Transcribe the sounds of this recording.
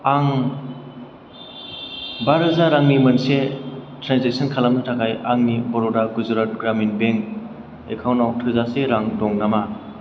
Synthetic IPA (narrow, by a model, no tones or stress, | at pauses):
aŋ | baɾɦɯzaɾaŋnimɯnsetɾansek̚sɔnkʰalamnatʰakʰajaŋnibɔɾɔdaɡuzɾat̚ɡɾaminbeŋ | ekʰawnawtʰɯzaseɾaŋdɔŋnama